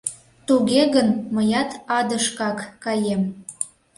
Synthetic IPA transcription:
t̪uɣeɣənməjɑt̪ɑd̪əʃkɑkːɑjem

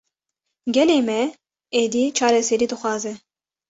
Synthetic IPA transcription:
ɡʲɛlemɛ | ed̪it͡ʃʰɑːɾɛsɛɾid̪ɨxʷwɑːzɛ

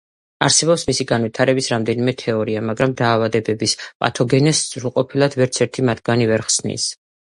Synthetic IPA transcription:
aɾsɛbɔpsmisiɡanwit̪ʰaɾɛbisɾamd̪ɛnimɛt̪ʰɛɔɾiamaɡɾamd̪aːvad̪ɛbɛbispʼa̰t̪ʰɔɡɛnɛszɾulˠqʼɔpʰilˠad̪̥vɛɾt̪sʰɛɾt̪ʰimat̪ʰɡanivɛɾχsnḭs

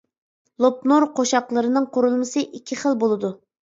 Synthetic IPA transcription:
lˠop̚noɾqʰoʃɑqlˠəɾɨnɨŋqʰoɾulˠmɨsɨʔikʲʰːiχəlˠbolˠɨd̪u

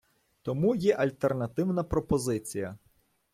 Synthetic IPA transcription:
t̪ɔmujɛʔɐlʲt̪ernɐt̪ɪwnɐpɾɔpɔzɪt͡sʲijɐ

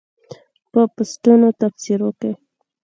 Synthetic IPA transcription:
pəpʊsʈunot̪afsiɾokej

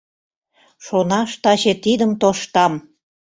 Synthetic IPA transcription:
ʃonɑʃt̪ɑt͡ɕet̪id̪əmt̪oʃt̪ɑm

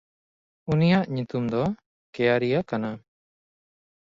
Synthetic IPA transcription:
unijaʔɲut̪umd̪ɔ | kɛjaɾijakana

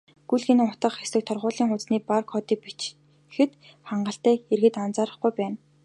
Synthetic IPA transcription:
ɡ̥ujɮxenɘ̆ŋʊt̪ə̆χxesɘ̆k̚t̪ʰɔrʁʊːɮiːŋʊt͡sniːparkʰɔːt̪iːk̚pit͡ɕ | xɘ̆t̪ | χaɴɢə̆ɬt̪æːerɣɘ̆t̪ant͡saːɾə̆χɡujpæːn

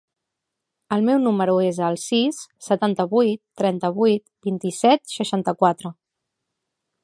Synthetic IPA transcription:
əlˠmɛwnuməɾuezəlˠsisːət̪ant̪əβujt̪ːɾɛnt̪əβ̞ujt̪bint̪isɛt̪ʃəʃant̪əkwat̪ɾə

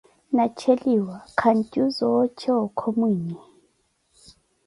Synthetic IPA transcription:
nat͡ʃʰeliwakʰantʼuzɔt͡ʃʰɛɔkʰomwiːɲɛ

